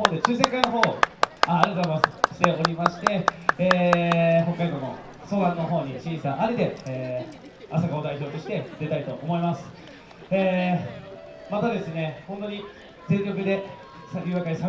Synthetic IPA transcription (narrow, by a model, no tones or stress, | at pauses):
oːd̪e̞t͡ɕɨːsẽ̞ŋkaino̞ɦo̞ːaːɾʲieat̪oaɾimasɨ̥ɕi̥t̪e̞o̞ɾʲimaɕi̥t̪e̞ː | ɦo̞kːaid̪o̞ːno̞̰ | so̞ːd̪anːo̞ɦo̞ːɲ̟iɕĩɰ̃sãʔaɾet̪e̞ː | asaɡaod̪aiço̞ːt̪o̞ɕi̥t̪e̞d̪e̞t̪aɾit̪o̞ʔomo̞imasɨ̥ | eː | mat̪ad̪e̞sɨne̞hõnt̪o̞ɲ̟i | d͡zẽ̞ŋʲo̞k̬ɯ̟d̪e̞ | sajʲɯːβakaisa